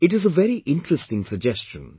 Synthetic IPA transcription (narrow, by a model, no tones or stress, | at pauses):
ɪʈɪzəʋɛɾiʔɪ̃nʈɾəsʈɪ̃ŋsəɡ̚d͡ʒɛst͡ʃə̰̃n